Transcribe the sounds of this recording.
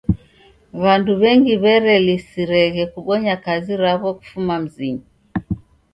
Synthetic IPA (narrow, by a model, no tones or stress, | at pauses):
βanduβɛŋɡiβɛɾɛlisiɾɛɣɛkuɓɔɲakaziɾaβɔku̥fumam̩ziɲi